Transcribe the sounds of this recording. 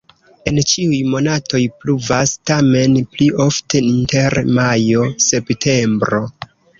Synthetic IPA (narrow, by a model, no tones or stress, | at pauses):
e̞nt͡ʃiujmo̞natʰo̞jpluvastame̞nplio̞ftʰe̞inte̞ɾmajo̞se̞ptʰe̞mbɾo̞